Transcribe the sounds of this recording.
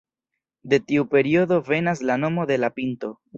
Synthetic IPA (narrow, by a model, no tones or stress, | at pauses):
de̞tiupe̞ɾio̞do̞ve̞nas̬lano̞mo̞de̞lapinto̞